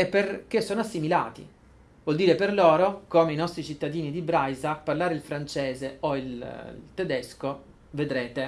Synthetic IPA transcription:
epːerk̟esːoːnoasːimila̰ːt̪ḭ | vwɔld̪iːɾeperloːɾokomeinɔst̪ɾit͡ʃit̪ːad̪iːnid̪ibɾajzaparlaːɾeilfɾant͡ʃeːzeoil̰lt̪ed̪ɛsko | ved̪ɾeːt̪e

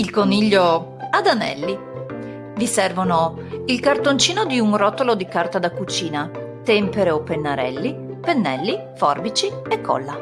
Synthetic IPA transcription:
ilkoniʎːo | ad̪anɛ̰lːi | visɛrvono | ilkart̪ont͡ʃiːnod̪iunrɔt̪ːolod̪ikart̪ad̪akːut͡ʃiːna | t̪ɛmpeɾeopːenːaɾɛ̰lːi | penːɛlːi | fɔrbit͡ʃiekʰːɔ̰lːa

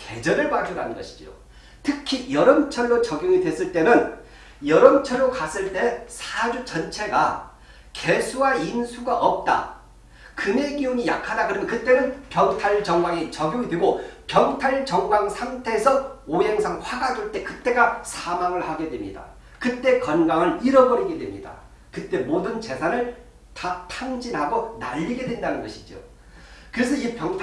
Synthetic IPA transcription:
ke̞d͡ʑʌɾɯɭpad͡ʑʰuɾanɯnɡʌɕʰi̥d͡ʑo̰ | tʰɯkʰijʌɾʌnt͡ɕʰʌɭːot͡ɕʌɡjoŋidwe̞s͈ɯɭt͈e̞nɯn | jʌɾʌnt͡ɕʰʌɭːokas͈ɯɭt͈e̞sʰad͡ʑut͡ɕʌnt͡ɕʰe̞ɡa̰ | ke̞sʰuainsʰuɡaʔʌp̚t͈a̰ | kɯme̞ɡiuɲija̰kʰadakɯɾʌmjʌnkɯt͈e̞nɯnpjʌŋtʰaɭt͡ɕʌŋɡwaŋit͡ɕʌɡjoŋidweɡopjʌŋtʰaɭt͡ɕʌŋɡwaŋsʰamtʰe̞ːsʰʌoɦe̞ŋsʰaŋɸwaɡad͡ʑoɭt͈e̞kɯt͈e̞ɡasʰamaŋɯɭhaɡe̞dwe̞mɲida̰ | kɯt͈e̞kʌnɡaŋɯɭiɾʌbʌɾiɡe̞dwemɲida̰ | kɯt͈e̞modɯnt͡ɕe̞sʰanɯɭ | tatʰaŋd͡ʑinɦhaɡona̰ʎːiɡe̞dwe̞ndanɯnɡʌɕʰi̥d͡ʑio̰ | kɯɾe̞sʰʌipjʌŋʰ

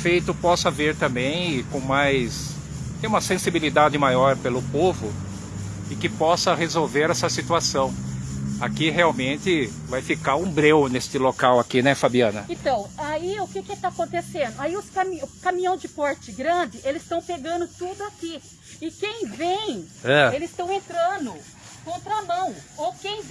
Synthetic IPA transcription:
fejt̪ʊpɔsɐveɾt̪ɐ̃mbẽj̃kõw̃majs | t̪ẽj̃ũmɐsẽsibilid̪ad͡ʒɪmajɔɾpelʊpovʊ | ɪkɪpɔsɐhezowveɾɛsɐsit̪uasɐ̃w̃akiɦeawmẽnt̪ɪvajfikaɾũbɾewnest̪ɪlokawakinɛfabiɐ̃nɐẽt̪ɐ̃w̃aiʊkɪkɪt̪aakõnt̪esẽnd̪ʊaiʊskamiʊkamĩɲɐ̃w̃zd͡ʒɪpɔɾt͡ʃɪɡɾɐ̃d͡ʒɪʔelɪst̪ɐ̃w̃peɡɐ̃nd̪ʊt̪ud̪ʊaki | ɪkẽj̃vẽj̃ | ɛelɪzst̪ɐ̃w̃ẽnt̪ɾɐ̃nʊ | kõnt̪ɾɐamɐ̃w̃owkẽj̃

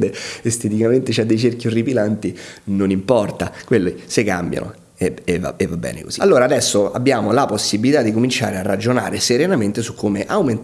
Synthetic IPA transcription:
d̪eest̪et̪̬ikament̪et͡ʃad̪ːejt͡ʃerkjoripilant̪inonimpɔrt̪akwelːisekːa̰mbja̰no̰ | eeva̰evːabːɛ̰ːnḛko̰zi̥̰alːoːɾaːd̪ɛsːoa̰bːjaːmolaposːibilit̪ad̪ːikomint͡ʃa̰ːɾearːad͡ʒona̰ːɾeseɾenament̪esukʰːomeʔawmen

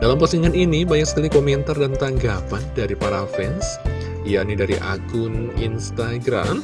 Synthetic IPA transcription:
d̥alampasiŋaninibaɲak̚sə̥kalikomɛnt̪ardant̪aŋɡapandaɾipaɾafɛns | jaʔnidaɾiʔa̰kʊninst̪aɡɾa̰m

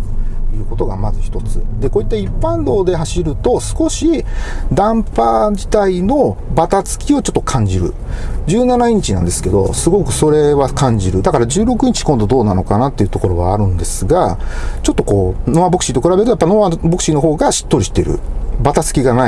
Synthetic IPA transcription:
ejɯ̟ːko̞t̪o̞ɡamazɨçʲi̥t̪o̞t͡sɨd̪e̞ko̞ːit̪ːaipːãnd̪o̞ːd̪e̞ɦaɕiɾɯ̟t̪o̞sɨ̥ko̞ɕid̪ãmpad͡ʑit̪aino̞bat̪at͡sɨ̥kʲio̞t͡ɕo̞t̪ːo̞kʰãɲ̟d͡ʑiɾɯ̟̰ | d͡ʑɨːnanaiɲ̟it͡ɕinã̰nd̪e̞sɨ̥ke̞d̪o̞̰sɨɡo̞kɯ̟so̞ɾe̞βakãɲ̟d͡ʑiɾɯ̟d̪akaɾaʑɨːɾo̞kɯ̟ɲ̟it͡ɕi̥kõnd̪o̞d̪o̞ːnano̞kanat̪ːe̞iɯ̟t̪o̞ko̞ɾo̞βa̰ːɾɯ̟̃nd̪e̞sɨɡat͡ɕo̞t̪ːo̞ko̞ːnoβabo̞kɯ̟ɕit̪o̞kɯɾabe̞ɾɯ̟ojapːanoβabo̞kɯ̟ɕino̞ɦo̞ːɡaɕi̥t̪ːo̞ɾʲiɕit̪eɾɯ̟̰bat̪at͡sɨ̥kʲiɡana

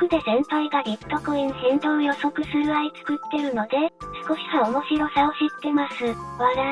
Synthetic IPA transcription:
okɯ̟d̪e̞zẽ̞nt̪aiɡaɾʲip̪ːokoĩɕĩnt̪oːjo̞so̞kɯ̟sɨɾɯ̟ait͡sɨ̥kɯ̟t̪ːe̞ɾɯ̟no̞d̪e̞sɨ̥ko̞ɕi̥kaomo̞ɕiɾo̞sao̞ɕit̪ːe̞masɨβaɾa

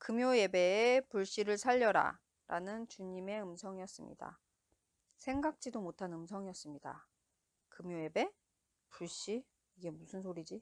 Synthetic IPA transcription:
kɯmjoje̞be̞ːpuɭɕ͈iɾɯɭsʰaʎːʌɾa̰ | ɾa̰nɯnt͡ɕuɲime̞ɯmsʰʌŋijʌs͈ɯmɲḭda̰ | sʰe̞ŋɡak̚t͡ɕ͈idomotʰanɯmsʰʌŋijʌs͈ɯmɲida̰ | kɯmjoje̞be̞ | puɭɕ͈i | iɡe̞musʰɯnsʰoɾid͡ʑi

